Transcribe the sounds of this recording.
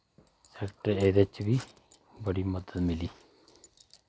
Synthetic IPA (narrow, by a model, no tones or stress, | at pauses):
sɛːkʈəɾeːd̪et͡ʃbiː | bəɽiːməd̪əd̪mɪliː